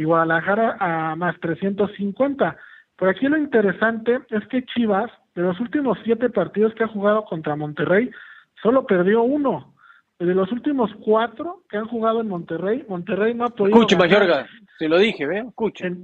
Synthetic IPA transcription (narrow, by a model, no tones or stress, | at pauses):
iɣwaðalaxaɾaʔːmast̪ɾe̞sje̞nt̪o̞sːiŋkwe̞nt̪a | po̞ɾakilo̞int̪e̞ɾe̞sant̪e̞e̞ske̞t͡ʃiβas | d̪e̞lo̞s̬ult̪imo̞sːje̞t̪e̞paɾt̪ið̞o̞skeaxuɣað̞o̞ko̞nt̪ɾamõ̞nt̪e̞re̞j | so̞lo̞pe̞ɾðjo̞uno̞ | eðelo̞sult̪imo̞skwat̪ɾo̞keanxuɣað̞o̞enmõ̞nt̪e̞re̞jmõ̞nt̪ere̞jno̞apoðikut͡ʃemaʝoɾka | siloðixeβeskut͡ʃen